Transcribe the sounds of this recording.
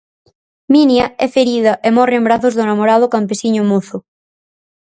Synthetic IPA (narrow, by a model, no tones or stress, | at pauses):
minjɐɛfeɾiðɐʔemɔreembɾaθʊzðonamoɾað̞ʊkampesiɲʊmuθʊ